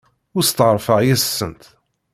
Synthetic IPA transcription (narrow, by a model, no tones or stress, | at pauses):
ʊɾst̪əɾˤfəʁjæsːənt̪